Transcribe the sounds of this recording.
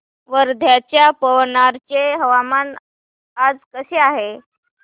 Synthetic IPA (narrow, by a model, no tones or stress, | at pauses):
ʋəɾd̪ʱjat͡ɕjapəʋnaɾt͡ɕeɦəʋaman | ad͡zkəɕeaɦe